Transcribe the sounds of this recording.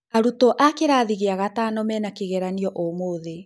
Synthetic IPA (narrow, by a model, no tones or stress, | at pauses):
aɾutɔʔakeɾaːðiɣeaɣatanɔmɛnakeɣɛɾaniɔʔomoðe